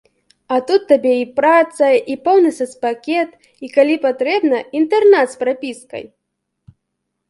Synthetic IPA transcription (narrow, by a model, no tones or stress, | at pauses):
ɐt̪ut̪ːabʲɛipɾat̪sɐipɔwnɨsɐspakʲɛt̪ | ikalʲipat̪ɾɛbnɐint̪ɛrnat̪spɾapʲiskɐ̰j